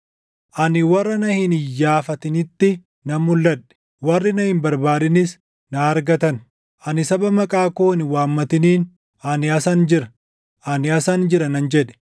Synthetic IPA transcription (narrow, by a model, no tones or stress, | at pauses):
ʔɐnɪwɐrːɐnɐhɪnɪjːaːfɐt̪ɪnɪt̪ːɪ | nɐmːʊlːɐᶑɛ̥ | wɐrːɪnɐhɪmbɐɾbaːdɪnɪs | nɐːɾɡɐt̪ɐn | ʔɐnɪsɐbɐmɐkʼaːkoːnɪwaːmːɐt̪ɪniːn | ɐnɪɐsɐnd͡ʒɪɾɐ | ʔɐnɪɐsɐnd͡ʒɪɾɐnɐnd͡ʒɛᶑɛ̥